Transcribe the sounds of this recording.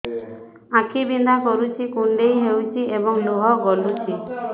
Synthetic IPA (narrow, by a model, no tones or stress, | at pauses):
ãkʰibind̪akɔɾut͡ʃʰikuɳɖejɦewt͡ʃʰiebɔŋluɦɔɡɔlut͡ʃʰi